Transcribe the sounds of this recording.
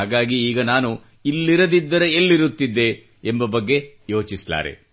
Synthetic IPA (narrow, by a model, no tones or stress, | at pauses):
aːɡaːɡiiːɡɐnaːnu | ilːiɾɐd̪id̪ːɐɾɐelːiɾut̪ːid̪ːe̞ː | mbɐbɐɡːe̞jo̞ːt͡ʃisla̰ːɾḛ